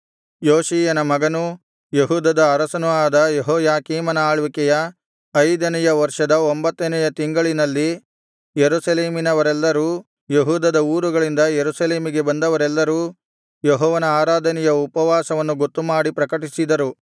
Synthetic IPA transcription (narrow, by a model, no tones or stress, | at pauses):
joːʃiːjɐnɐmɐɡɐnu | jeɦuːd̪ɐd̪ɐːɾɐsɐnuaːd̪ɐjeɦɔːjaːkiːmɐnɐaːɭʋikɛjɐ | ɐjd̪ɐnɛjɐʋɐɾʂɐd̪ɐombɐt̪ːɐnɛjɐt̪iŋɡɐɭinɐlːi | jeɾusɐleːminɐʋɐɾɛlːɐɾuː | jeɦuːd̪ɐd̪ɐuːɾuɡɐɭind̪ɐjeɾusɐleːmiɡe̞bɐnd̪ɐʋɐɾɛlːɐɾuː | jeɦɔːʋɐnɐaːɾaːd̪ʱɐnɛjɐupɐʋaːsɐʋɐnːuɡo̞t̪ːumaːɽipɾɐkɐʈisid̪ɐɾu